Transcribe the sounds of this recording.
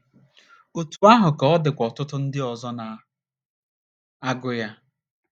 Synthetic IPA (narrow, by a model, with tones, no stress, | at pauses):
o˨tu˨a˦ɦʊ˨kɔ˨ɔ˦dɪ˨kʷɔ˨tʊ˦tʊ˦n̩˦dɪ˦ɔ˨zɔ˦na˨ | a˦ɡʊ˦ja˦